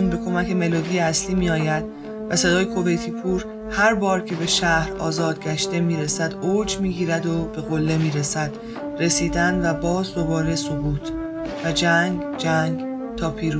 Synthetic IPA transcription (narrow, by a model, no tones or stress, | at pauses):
unbe̞kʰo̞mæce̞me̞loːd̪ijeæsliːmijɒːjæd̪̥̚ | væse̞d̪ɒːjekʰo̞ve̞jt̪ʰiːpʰuːɾ | hæɾbɒːɾcʰe̞be̞ʃæhɾɒ̰ːzɒːd̪̚ɟæʃt̪e̞miːɾe̞sæd̪oːd͡ʒmiːɟiːɾæd̪o̞b̥e̞ɣo̞lːe̞miːɾe̞sæd̪̥ | re̞siːd̪ænvæbɒːzd̪o̞bɒːɾe̞sobuːt̪ʰ | væd͡ʒæŋɡ | d͡ʒæŋɡ | t̪ʰɒːpʰiːɾu